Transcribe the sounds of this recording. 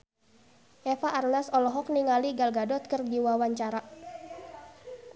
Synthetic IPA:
ʔɛfaʔːrnasɔlɔɦɔk̚niŋaliɡalɡadɔt̪̚kərɡiwawaɲt͡ʃaɾa

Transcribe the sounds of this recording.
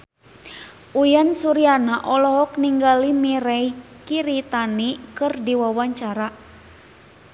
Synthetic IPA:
ʔujansuɾianaʔɔlɔɦɔkniŋɡalimiɾɛi | kiɾit̪anikɨrdiwawaɲt͡ʃaɾa

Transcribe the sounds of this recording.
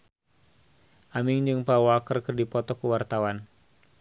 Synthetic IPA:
ʔamɪŋd͡ʒɨŋpawakərkərdipɔt̪ɔkəwart̪awan

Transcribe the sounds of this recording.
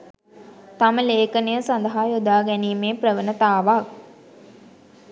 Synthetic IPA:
t̪aməleːkənejəsand̪əɦaːjod̪aːɡɛniːmeːprəʋənət̪aːʋak̚

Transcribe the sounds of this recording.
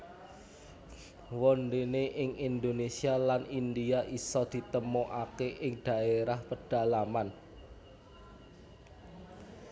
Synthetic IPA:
wɔnɖeneʔɪŋind̪onesialanind̪iaʔisɔd̪̥i̤t̪əmɔʔakeʔɪŋɖ̪̥a̤eɾahpəɖ̥a̤laman

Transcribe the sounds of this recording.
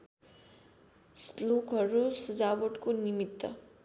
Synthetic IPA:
slokɦʌɾusʌd͡zawoʈkonimit̪ːʌ

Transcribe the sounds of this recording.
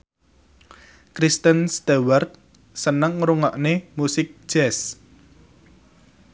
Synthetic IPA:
kɾist̪ənst̪ewart̪̚ | sənəŋɾuŋɔʔnemusɪk̚ʒ̥ɛs

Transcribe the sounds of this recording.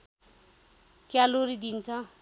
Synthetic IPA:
kjaloɾid̪int͡sʰʌ

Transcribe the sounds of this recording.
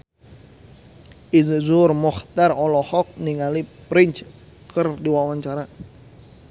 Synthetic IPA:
izzʊrmɔht̪arɔlɔhɔk̚niŋalipɾɪnt͡ʃ | kʰərdiwawaɲt͡ʃaɾa

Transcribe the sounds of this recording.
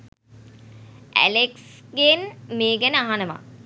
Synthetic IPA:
ʔæ̰leksɡenmeːɡænəaɦanəma̰

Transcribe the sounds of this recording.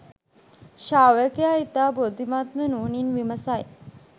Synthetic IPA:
ʃaːʋkjaːit̪aːbod̪imaːt̪mənuːninʋimɐsaj

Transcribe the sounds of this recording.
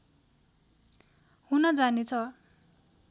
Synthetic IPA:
hunʌd͡zanet͡sʰʌ

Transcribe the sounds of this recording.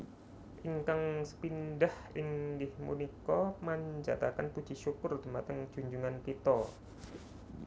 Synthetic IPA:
ʔiŋkaŋsə̥pindahiŋdɪhmṵnikɔmaɲd͡ʒa̰t̪akanpud̥d͡ʒ̥iʃukʊrd̪əmat̪əŋd͡ʒ̥uɲd͡ʒuŋankit̪ɔ

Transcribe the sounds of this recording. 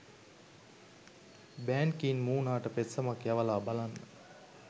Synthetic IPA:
bæːnkiːnmuːnaːʈəpet̪sɐmakjaʋəlaːbalanːə

